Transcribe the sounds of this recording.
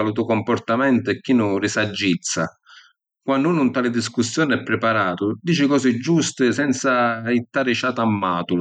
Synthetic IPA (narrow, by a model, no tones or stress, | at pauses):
alut̪̬ukɔmpɔrt̪amɛnt̪ʊɛkːinʊrɪsad͡ʒːit̪sːa̰ | kwanːuːnunt̪aːlɪd̪iskusːjɔːnɛpːɾɪpaɾaːt̪ʊd̪iːt͡ʃɪkɔːsɪd͡ʒːust̪ɪsɛnt̪sait̪ːaːɾɪt͡ʃaːt̪amːaːt̪ul